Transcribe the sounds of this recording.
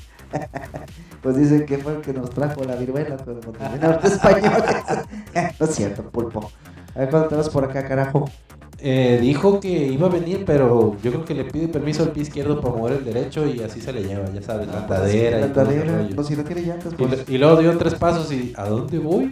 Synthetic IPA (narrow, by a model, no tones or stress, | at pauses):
pwezðis̬eŋkefweelkenost̪ɾaxolaβiɾwelakawand̪oβjenaβat̪eespaɲole | noesjeɾt̪opulpo | aekwand̪ot̪ɾaspoɾakakaɾaxo | eðixo̞ke̞iβaβe̞niɾpe̞ɾoɟ͡ʝokɾeokele̞piðepe̞ɾmisoalpjeiskje̞ɾð̞opaɾamoβe̞ɾe̞ld̪e̞ɾe̞t͡ʃo̞iasise̞leʝeβaʝasaβelat̪aðeɾaat̪aðeɾanos̬inokjeɾeʝant̪espilwe̞ɣoðjot̪ɾe̞spas̬o̞sia̰ðo̞nd̪e̞βoj